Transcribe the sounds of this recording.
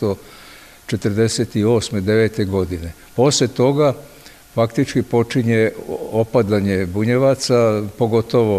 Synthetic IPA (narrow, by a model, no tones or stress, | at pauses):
t̪o | t͡ʃet̪ərd̪e̞set̪io̞ːsmed̪e̞ʋe̞ːt̪e̞ɡo̞d̪ine̞ | po̞slet̪o̞ɡa | fakt̪it͡ʃkipo̞t͡ʃiɲe̞opad̪aɲe̞buɲeʋat̪sapo̞ɡo̞t̪o̞ʋo